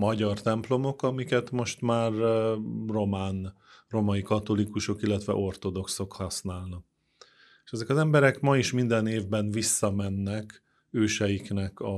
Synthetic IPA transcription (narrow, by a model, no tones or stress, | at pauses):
mɒɟɒrt̪ɛmplo̞mo̞kɒmikɛt̪mo̞ʃt̪maːr | ro̞maːn | ro̞mɒjikɒt̪o̞likuʃo̞kilːɛt̪ʋɛ̰ʔo̞rt̪o̞d̪o̞kso̞khɒsnaːlni | eʃɛzɛkɒzɛmbɛɾɛkmɒiʃmind̪ɛneːvbɛnvisːɒmɛnːɛk | øːʃɛjiknɛkɒ